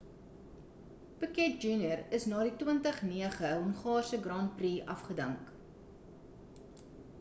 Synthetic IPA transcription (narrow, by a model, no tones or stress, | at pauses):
pəkɛt̚d͡ʒuːnjərəsnɑːditwəntəχniəχəɦɔnχɑːrsəɡrɑːnpriʔɐ̰fχədəŋk